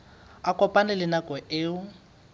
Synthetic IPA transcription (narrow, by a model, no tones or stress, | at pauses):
akʼɔpʼanɪlɪnakʼɔʔɪːʊ